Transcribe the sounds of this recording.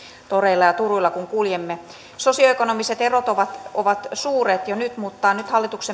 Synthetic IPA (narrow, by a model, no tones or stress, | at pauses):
t̪oreilːɑjɑt̪uruilːɑkuŋkuljemːe | sosioekonomiset̪erot̪oʋɑt̪oʋɑt̪suːret̪jonyt̪muːt̪ːɑːnnyt̪hɑlːit̪ukse